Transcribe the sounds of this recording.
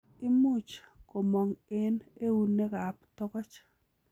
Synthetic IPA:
ɪ˦mu˦t͡ʃko˨mɔ˨ŋɪ˦ne˦u˨nːe˦ɡa˨pt̪ɔ˦kɔ˦t͡ʃ

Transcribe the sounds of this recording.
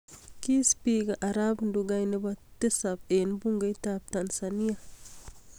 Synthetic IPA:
ki˦spi˦ɡa˨ʔa˨ɾa˦bndu˨ɡa˨jni˦ba˦te˦sa˨benbu˦ŋɡa˦jtab̚ta˨nsani˦a˨

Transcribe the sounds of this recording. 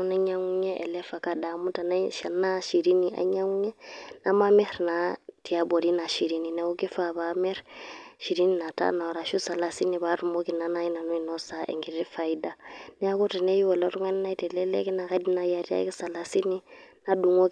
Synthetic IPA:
na˦ɲa˦ŋu˦ɲɛ˦ʔɛ̰˨lɛ˦fa˨ka˦da˨mu˦ta˨na˦ʃa˨na˦ʃi˨ɾi˦ni˨ʔa̰˦ɲa˦ŋu˦ɲɛ˦na˦ma˦mɛ˦ɾna˨ti˨a˦bo˨ɾi˦na˨ʃi˨ɾi˦ni˨na˨˦u˦ki˦fa˦βamɛ˦ɾʃi˨ɾi˦ni˨na˨ta̰˦na˨wɾa˨ʃu˦sa˨la˨si˦ni˨βa˦ɾu˨mo˦ki˨na˦na˦ji˦na˨nu˦i˨no˦sa˨˦ʔɛ̰˨ŋɡi˨ɾi˦fa˨i˦da˦nɛ˦a˦ku˦ti˨ne˦ji˦wɔ˨lo˦tu˦ŋa˦ni˦na˦i˦tɛ˨lɛ˦lɛ̰˦ki˦na˨ka˦di˦na˨ja˨ti˦a̰˦ki˦sa˨la˨si˦ni˦na˦du˨ŋo˦k

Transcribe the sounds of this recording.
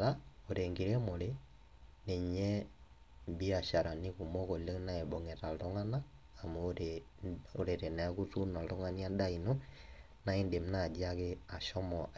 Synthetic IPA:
ɾao˨ɾeŋɡe˨ɾe˦mo˨ɾe˦ | ne˨ɲɛ˦ | mbi˦a˨ʃa˨ɾa˨ni˦ku˨mo˦ko˨le˦na˦e˨bo˨ŋe˨ta˨lto˦ŋa˦naː˦˨ | moɾe | oɾe˨ɾe˨na˨ku˦tu˦na˨to˦ŋa˦nia˦nda˦i˨no˦ | na˦e˦nde˨m̩˦na˨d͡ʒi˦a˦ke˦a˨ʃɔ˦mɔ

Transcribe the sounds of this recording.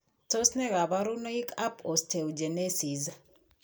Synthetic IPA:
to˦snɛ˦ɣa˨βaɾu˦no˦i˦kʰa˦pʰɔ˨ste˨wd͡ʒe˨ne˦si˨za

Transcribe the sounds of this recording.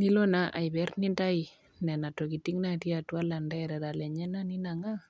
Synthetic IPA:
ni˦lɔ˦naʔa˨jbɛ˦rni˦nda˦i | nɛ˨na˨to˨ki˨ti˦ŋnati˦atwa˦la˨ndɛɾɛ˨ɾa˨lɛ˨ɲɛ˦na˦ni˦naŋa˦

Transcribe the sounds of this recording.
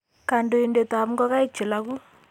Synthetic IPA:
ka˨ndo˨ɪ˨nde˨ta˨m˦ɡɔ˦ka˦ɪ˦t͡ʃɪ˨la˦ku˦

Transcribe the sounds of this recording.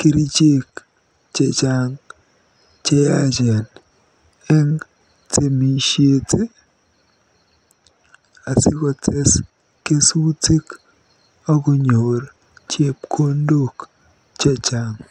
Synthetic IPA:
ki˦ɾi˦t͡ʃe˦k | t͡ʃɛ˨t͡ʃa˨ŋ | t͡ʃe˦ja˦d͡ʒɛ˨n | ɛ˦ŋ | te˨mi˨ʃje˨tʰe˦ | a˨sɪ˦kɔ˨tʰe˦s | ke˦su˦te˦k | ɔ˦ɡo˦ɲo˨ɾ | t͡ʃje˦p̚kʰo˦ndo˦˨k | t͡ʃɛ˦t͡ʃa˨ŋ

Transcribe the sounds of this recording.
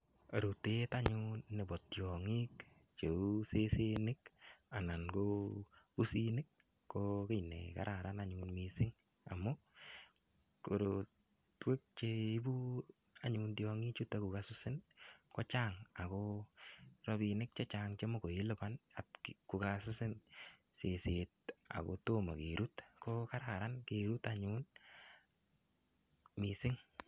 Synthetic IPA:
o˨ɾu˨te˦ta˦ɲu˦nːe˨bɔ˨tjɔ˨ŋi˦k | t͡ʃe˨u˦se˦se˦nɪ˦ka˨na˨nɡo˦pu˦si˦nɪ˦k̚ː | oke˦˨jnḛ˨ka̰˨ɾʔa˨ɾa˦na˦ɲunmisɪ˦ŋ | a̰˨mʊ˦ | ko˨ɾo˨ | twe˦k̚t͡ʃe˦i˦bu˦ | a˨ɲuntjɔŋi˦t͡ʃu˦ta˦ku˨kasʊ˦sɪ˦nkɔ˦t͡ʃa˦ŋa˨kɔ | ɾɔ˧bi˧nɪ˦k̚t͡ʃe˦t͡ʃaŋt͡ʃe˦mo˦ko˨je˦lʊ˦pa˦na˨tkku˨kasʊ˦sɪ˦n | se˨se˨t̚a̰˨ko̰˨to˦ma̰˨ke˨ɾu˦tkoka˦ɾa˨ɾa˦nke˨ɾu˦taɲun | misɪ˦ŋ

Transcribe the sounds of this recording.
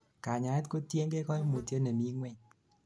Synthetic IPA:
kaː˨ɲa˨˦t̚ko˦ti˦˧˦ŋke˦kʰɔ˦˨jmo˨ti˧e˦nɛ˨mi˦ŋwɛ˧˨ɲ

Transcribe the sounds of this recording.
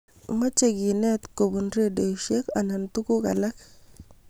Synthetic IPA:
ma˦t͡ʃe˦ɡi˨nɛ˦t̪ko˨bu˨nɾe˦de˨ʃe˦ka˨na˨nt̪u˦ku˦ka̰˨la˦k

